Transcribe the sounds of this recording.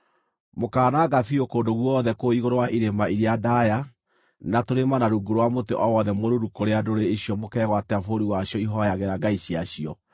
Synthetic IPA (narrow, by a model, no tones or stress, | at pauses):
mokaːnaɡafiokoːndoɣwɔðɛkoiɣoɾowaʔiɾemaiɾjadaja | natoɾemanaɾuːɡuɾwamoteʔɔwɔðɛmoɾuɾukoɾeadoɾeeɕjɔmokɛɣwatɛafoɾiwaɕiɔiɦɔjaɣeɾaɡaiɕiaɕiɔ̰